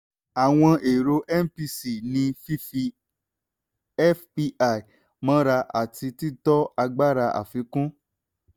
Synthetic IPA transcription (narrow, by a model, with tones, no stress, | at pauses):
a˨w̃ɔ̃˧ʔe˨ɾo˧˦ʔɛ˦m˦pi˧si˨nĩ˧fi˦fi˧ | ɛ˦fpi˧a˦˨i˨ | mã˦ɾa˧ʔa̰˨ti˧ti˦tɔ˦a˧ɡ͡ba˦ɾa˧ʔa̰˨fi˨˦kũ˦